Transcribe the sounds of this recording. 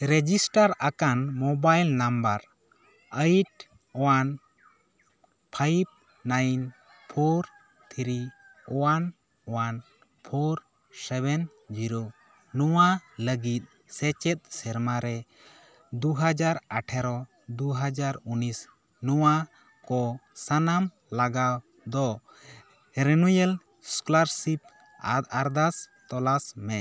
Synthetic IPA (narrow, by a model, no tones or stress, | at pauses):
ɾɛd͡ʒisʈaɾakanmɔbajlnambaɾ | əjʈ | ɔwan | pʰaip̚ | najin | pʰoɾ | t̪ʰiɾi | ɔwan | ɔwan | pʰoɾ | sɛβɛn | d͡ʒiɾo | nɔwaləɡit̪̚ | sɛt͡ʃɛt̪̚ˀsɛɾmaɾɛ | d̪uɦad͡ʒaɾaʈʰɛɾɔ | d̪uɦad͡ʒaɾunis | nɔwa | kɔsanam | laɡa | d̪ɔ | ɾɛnujɛl | sklaɾsip̚ | aɾd̪as | t̪ɔlasmɛ